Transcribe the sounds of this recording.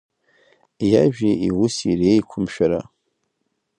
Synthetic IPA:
jaʒᶣiiwʊsireːjkʷʰʊmʃᶣaɾa

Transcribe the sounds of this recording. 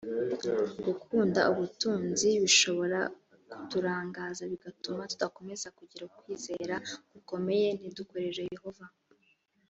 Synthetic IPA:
ɡukʰuːnda̰uβutuːnziβiʃo̞βo̞ɾa | ku̥tuɾaːŋɡaːzaβiɡatumatu̥dako̞me̞zakuɟiɾakwiːze̞ːɾaɡ̥uko̞me̞je̞n̥idukoɾe̞ʒejeho̞va

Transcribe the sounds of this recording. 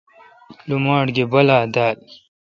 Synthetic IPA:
lumaːʈɡebɐlaːd̪aːl

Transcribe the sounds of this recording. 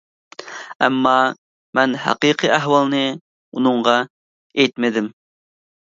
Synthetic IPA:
ɛmːɑ | mɛnhæ̰qiqʰɨæɦwɑlˠnɨ | unɨɴʁɑ | ejt̪mɪd̪ɪm

